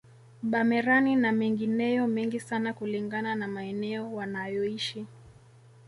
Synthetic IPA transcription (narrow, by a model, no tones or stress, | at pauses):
ɓamɛɾaninamɛŋɡinɛjɔmɛŋɡisanakuliŋɡananamaɛnɛɔwanajɔiʃi